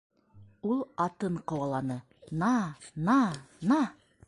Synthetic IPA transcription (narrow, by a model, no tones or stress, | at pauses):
ulˠɑt̪ɤɴqɤ̆wɑlˠɑnɤ | nɑnɑnɑ